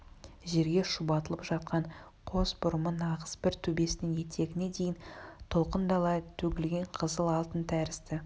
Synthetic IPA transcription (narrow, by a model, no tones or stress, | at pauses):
ʒe̞ɾɡʲe̞ʃubɑt̪əlˠəpʒɑt̪̚qɑɴ | qʰo̞zbʊɾəmənɑʁəsbɪɾt̪ʰɵbe̞sɪnɪŋje̞t̪ʰe̞ɡʲɪne̞d̪e̞jɪnt̪ʰo̞lˠqənd̪ɑlˠɑt̪ʰɵɡʲɪlɡʲe̞ɴqʰəzəlˠɑlˠt̪ənt̪ʰæɾɪst̪ɪ